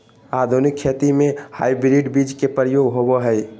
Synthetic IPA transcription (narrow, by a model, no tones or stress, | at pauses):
ad̪ʱunikʰːet̪imeha̰ibɾiɖbid͡ʒkepɾəjoɡɦobɔɦəj